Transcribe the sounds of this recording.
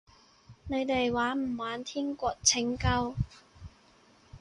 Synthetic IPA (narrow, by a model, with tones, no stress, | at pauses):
ne˨˧jt̪e˨jwaː˨˥m̩˨˩waː˨˥nt̪ʰiː˥nkʷɔː˧k̚t͡sʰɪ˨˥ŋkɐ˥w